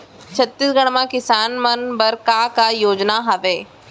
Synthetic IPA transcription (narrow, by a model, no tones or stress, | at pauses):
t͡ʃʰɐt̪ːiːsɡɐɽ̃mãkɪsaːnmɐnbɐɾkaːkaːjoːd͡ʒnaɦaʋeː